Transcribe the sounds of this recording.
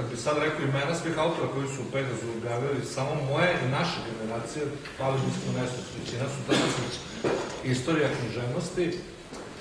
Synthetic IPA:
kad̪bixsad̪ɾekoimenasʋixaut̪o̞ɾako̞jisuupeɣazuobjaːʋilisamomo̞jeʔinaʃeɡe̞neɾaːt̪sije | paʋiʒsmumest̪ost̪ɾit͡ɕinasut̪at̪iset͡ɕ | ist̪o̞ɾijakniʒeʋnost̪i

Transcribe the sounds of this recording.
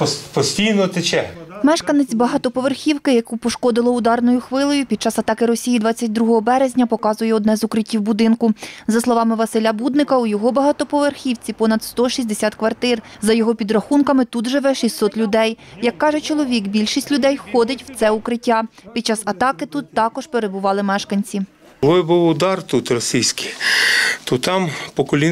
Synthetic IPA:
pɔpɔsʲtʲijnɔt̪ɪt͡ʃɛmɛʃkɐnet͡sʲbɐɦɐt̪ɔpɔʋerxʲiwkɪjɐkupɔʃkɔd̪ɪlˠɔʊd̪ɑrnɔjʊxʋɪlˠɔjʊpʲid̪̚t͡ʃɑsɐt̪ɑkɪɾɔsʲijid̪ʋɑt͡sʲːɐt̚ʲd̪ɾuɦɔɦɔbɛɾezʲnʲɐpɔkɑzʊjɛɔd̪nɛzʊkɾɪtʲːiwbʊd̪ɪnkʊzɐslˠɔʋɑmɪʋɐsɪlʲɐbud̪nɪkɐujɔɦɔbɐɦɐt̪ɔpɔʋerxʲiwt͡sʲipɔnɐd̪st̪ɔʃʲizʲd̪esʲɑt̪kʋɐrt̪ɪr | zɐjɔɦɔpʲid̪ɾɐxunkɐmɪt̪ut̪ʒɪʋɛʃisːɔt̪lʲʊd̪ɛjjɐkːɑʒɛt͡ʃɔlˠɔʋʲikbʲilʲʃisʲtʲlʲʊd̪ɛjxɔd̪ɪtʲwt̪sɛʊkɾɪtʲːapʲid̪t͡ʃɑzɐt̪ɑkɪt̪ut̪ːɑkɔʒpeɾebʊʋɑlˠɪmɛʃkɐnʲt͡sʲi | ɔjbuwʊd̪ɑrt̪ut̪rɔsʲijsʲki | t̪ɔt̪ɑmpɔkɔlʲi

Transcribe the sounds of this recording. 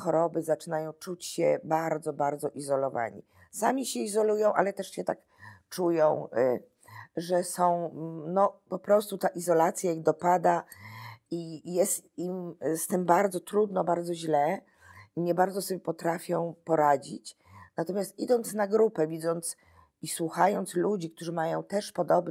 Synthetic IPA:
xɔɾɔbɘzat͡ʂɘnajɔ̃w̃t͡ʂut͡ɕɕɛbaɾd̪zɔbaɾd̪zɔʔizɔlɔva̰ɲḭ | samʲiɕɛizɔlujɔ̃w̃ʔa̰lɛt̪ɛʂɕɛt̪a̰k | t͡ʂujɔ̃w̃ | ʐɛsɔ̃w̃nɔpɔpɾɔst̪ut̪aʔizɔlat̪sʲjajixd̪ɔpad̪a | ijɛst̪imst̪ɘmbaɾd̪zɔt̪ɾud̪nɔbaɾd̪zɔʑlɛ | iɲɛbaɾd̪zɔsɔbʲjɛpɔt̪ɾafʲjɔ̃w̃pɔɾad͡ʑḭt͡ɕ | nat̪ɔmʲjast̪ḭd̪ɔnt̪snaɡɾupɛvʲid̪zɔnt̪s | iswuxajɔnt̪slud͡ʑik̚t̪uʐɘmajɔ̃w̃t̪ɛʂpɔd̪ɔb̪

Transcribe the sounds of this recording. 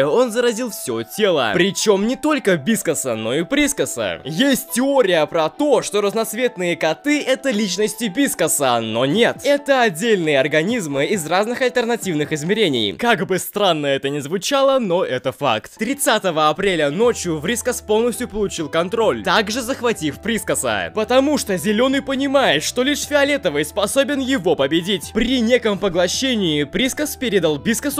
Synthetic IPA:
o̞nzəɾɐzʲilˠfsʲotʲe̞lˠə̰pɾʲɪt͡ɕo̞mnʲɪt̪o̞lʲkəbʲiskəsəno̞ɪpɾʲiskəsə̰jesʲt̚ʲtʲːɪoɾʲɪjəpɾɐt̪o̞ʂt̪o̞ɾəznɐt̪svʲe̞t̪nɨjəkɐt̪ɨɛt̪əlʲit͡ɕnəsʲtʲɪbʲiskəsəno̞nʲe̞t̪ɛt̪əɐdʲːelʲnɨjəɐrɡɐnʲizmɨɪzraznɨxɐlʲt̪ʲɪrnɐtʲivnɨxɪzmʲɪɾʲenʲɪ̰jkaɡbɨst̪ɾanːəɛt̪ənʲɪzvʊt͡ɕalˠənoʔɛt̪əfa̰kt̪t̪ɾʲɪt̪sat̪əvəɐpɾʲelʲəno̞t͡ɕjʊvɾʲiskəspo̞lˠnəsʲt̪ʲjʊpəlˠʊt͡ɕilˠkɐnt̪ɾo̞lʲt̪aɡʐɨzəxvɐtʲifpɾʲiskəsə̰pət̪ɐmuʂt̪ozʲɪlʲo̞nɨjpənʲɪmajɪt̪ʂt̪olʲiʂfʲɪɐlʲet̪əvəjspɐso̞bʲɪnjɪvo̞pəbʲɪdʲitʲpɾʲɪnʲe̞kəmpəɡlˠɐɕːenʲɪɪpɾʲiskəspʲeɾʲɪd̪əlˠbʲiskəs

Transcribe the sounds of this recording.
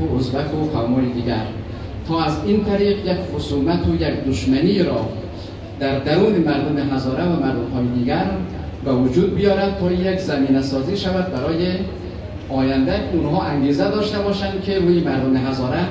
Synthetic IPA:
oozbækʰopʰæmoːɾed̪iːɡæɾ | t̪ʰɒːæziːnt̪ʰæɾiːɢjekχosuːmæt̪ʰojekd̪oʃmæniːɾɒː | d̪̥æɾd̪æɾuːnemæɾd̪omeɦæzɒːɾævæmæɾd̪omhɒːjed̪iːɡæɾ | bevod͡ʒuːd̪̚bijɒːɾæd̪̚t̪ʰɒːjekzæmiːnæsɒːziːʃævæd̪̚bæɾɒːje | ɒːjænd̪æunɦɒːʔæŋɡeːzæd̪ɒːʃt̪ebɒːʃænd̪̚kʰeɾuːjemæɾd̪omeɦæzɒːɾæ

